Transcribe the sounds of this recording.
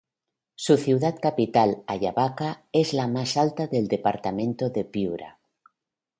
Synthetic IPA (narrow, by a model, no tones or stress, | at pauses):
suθiwðat̪kapit̪alaʎaβakaezlamasalt̪aðeld̪epaɾt̪amẽnt̪oðepiuɾa̰